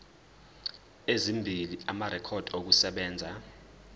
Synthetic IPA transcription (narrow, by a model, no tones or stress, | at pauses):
ezimbʱiliamaɾɛkʰɔd̥ʱok̬usɛɓɛːnd͡zʱa